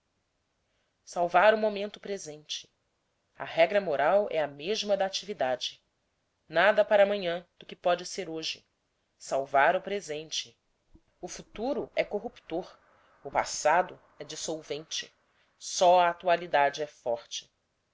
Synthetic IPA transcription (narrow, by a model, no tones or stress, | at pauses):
sawvaɾʊmomẽnt̪ʊpɾezẽnt͡ʃɪ̥ | ɐ̰ɦɛɡɾɐmoɾawɛɐmeʒmɐd̪aːt͡ʃivid̪ad͡ʒɪ | nad̪ɐpaɾɐːmɐ̃ɲɐ̃d̪ʊkɪpɔd͡ʒɪseɾoʒɪ | sawvaɾʊpɾezẽnt͡ʃɪ̥ | ʊfut̪uɾʊɛkoɦupt̪oɾ | ʊpa̰sad̪ʊ | ɛd͡ʒisowvẽnt͡ʃɪ̰ | sɔɐat̪ualid̪ad͡ʒɪɛfɔɾt͡ʃɪ̥